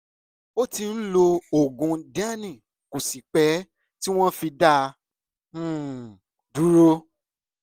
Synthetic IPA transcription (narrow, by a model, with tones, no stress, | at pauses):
o˦tĩ˧n̩˦lo˧o˨ɡũ˨da˦nĩ˨ | ku˨si˨k͡pɛ˨˦ | ti˦w̃ɔ̃˦fi˧dã˦˨˦ | du˨˦ɾo˧˦